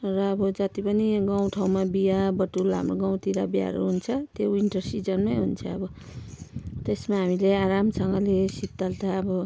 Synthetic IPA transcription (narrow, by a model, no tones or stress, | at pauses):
rʌːbʌd͡zʌt̪ipʌniɡãw̃ʈʰaw̃mabijabʌʈːulaa̰mroɡaw̃t̪iɾabja̰ɾo̰ɦunt͡sʰʌt̪joiɳʈʌrsid͡zʌnmajɦunt͡sʰʌːbʌ | t̪esmaɦamileaɾamsʌŋɡʌlesitt̪ːalt̪aːbʌ